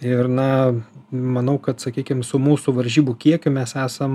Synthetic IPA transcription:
ɪrnɐ | mɐnɐʊkɐt̪sɐkʲiːkʲɪmsʊmuːsʊʋɐɾʲʒʲiːbukʲiɛkʲʊmʲɛsæːsɐm

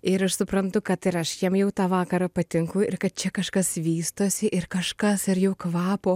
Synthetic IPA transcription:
ɪɾɐʃsʊpɾɐnt̪ʊkɐt̪ɪɾɐʃjiɛmjɛʊt̪ɑːʋɑːkɐɾɐpɐt̪ʲɪŋkʊɪ̰ɾkɐt̪̚t͡ʃʲɛkɐʃkɐsʋʲiːst̪oːsʲɪʔɪɾkɐʃkɐsɪɾjɛʊkʋɑːpoː

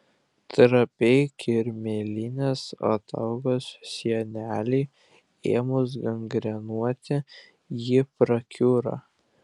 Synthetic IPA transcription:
t̪ɾɐpʲɛɪkʰʲɪɾʲmʲeːlʲɪnʲeːso̰t̪ɐ̰ʊɡoːssʲiɛnʲæːlʲɛɪ | eːmʊs̬ɡɐŋɡɾʲɛnuɔt̪ʲɪ | jɪpɾɐkʲuːɾɑ̰ː

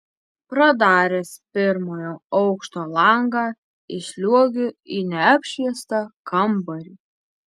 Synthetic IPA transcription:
pɾɐd̪ɑːɾʲespʲɪɾmoːjoːɔʊkʃt̪oːlˠɐˑŋɡɑː | ɪʃʲlʲuɔɡʲʊinʲɛɐpʲʃʲiɛst̪ɑkʰɐmbɐɾʲiː

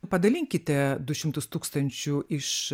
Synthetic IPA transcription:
pɐd̪ɐlʲɪŋʲkʲɪt̪ʲɛd̪ʊʃʲɪmt̪ʊst̪uːkst̪ɐnʲt͡ʃʲuɪʃ

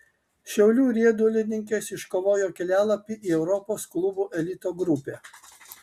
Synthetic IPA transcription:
ʃʲɛʊlʲuːɾʲiɛd̪ʊlʲɪnʲɪŋʲkʲɛsɪʃkoːʋoːjoːkʲɛlʲæːlˠɐpʲiːʔiːɛʊɾɔpoːsklˠʊbuːʔɛlʲɪt̪oːɡɾʊpʲɛː

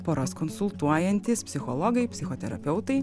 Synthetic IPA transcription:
poːɾoskɔnsʊlˠt̪uɔjɛnʲt̪ʲɪspʲsʲɪxɔlˠɔɡɐɪpʲsʲɪxoɔt̪ʲɛɾɐ̰pʲɛʊtt̪ɐɪ

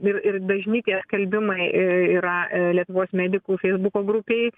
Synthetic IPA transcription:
ɪrɪrbɐʒʲnʲiːt̪ʲeːskɐlʲbʲɪmɐɪʔiːɾɐlʲiɛt̪ʊʋoːsmʲæːd̪ʲɪkuːfʲɛɪzbʊkoːɡɾʊpʲeɪ

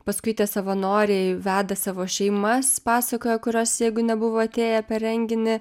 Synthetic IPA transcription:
pɐskʊɪt̪ʲiɛsɐʋɐnoːɾʲɛɪʋʲæːd̪ɐsɑːʋoːʃʲɛɪmɐspɑːsɐkoːjɛkʊɾʲoːsjɛɪɡʊnʲɛbʊʋoːɐt̪ʲeːjɛpʲɛɾʲɛŋʲɡʲɪnʲɪ

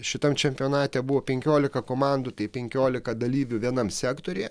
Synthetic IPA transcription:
ʃʲɪt̪ɐmt͡ʃʲɛmʲpʲɪoːnɑːt̪ʲeːbʊʋoːpʲɛŋʲkʲoːlʲɪkɐkoːmɑˑnd̪ʊt̪ɐɪpʲɛŋʲkʲoːlʲɪkɐd̪ɐlʲiːʋʲʊʋʲiɛnɐmsʲæːkt̪oːɾʲej

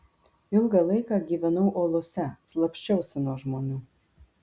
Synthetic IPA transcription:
ɪlˠɡɐlˠɐɪkɑɡʲiːʋʲɛnɐʊʔoːlˠoːsʲɛslˠɐpʲʃʲt͡ʃʲɛʊsʲɪnuɔʒmoːnʲuː

